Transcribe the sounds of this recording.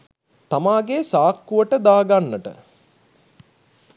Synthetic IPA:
t̪amaːɡesaːkːuʋəʈəd̪aːɡanːəʈə̰

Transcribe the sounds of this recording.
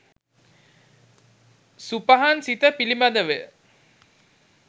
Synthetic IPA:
supaɦansit̪əpilimad̪əʋe

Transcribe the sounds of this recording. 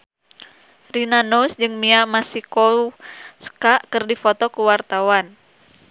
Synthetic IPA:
rinanusd͡ʒɨŋmiamasikɔ | skaʔkɨrdifɔt̪ɔkuwart̪awan

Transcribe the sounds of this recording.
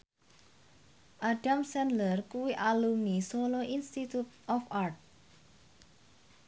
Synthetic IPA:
ʔaɖamsɛnlərkuwiʔalumnisoloʔinst̪it̪jut̪̚ɔfart̪̚

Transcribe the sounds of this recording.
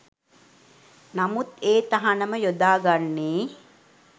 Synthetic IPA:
namut̪eːt̪aɦanəməjod̪aːɡanːeː

